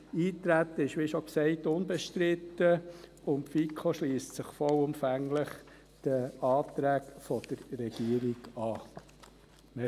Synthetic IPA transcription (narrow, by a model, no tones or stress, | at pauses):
iːt̪ɾæt̪ːəɪʃʋiʃɔksɛɪt̪ʊnbɛʃtɾɪt̪ːə | ʊntfikʰoʃliːstsɪχfɔwʊmfæŋləχ | d̪̥əɑːt̪ɾæːkfɔd̥̪əɾːɛɡ̥iəɾiɡɑː | mɛ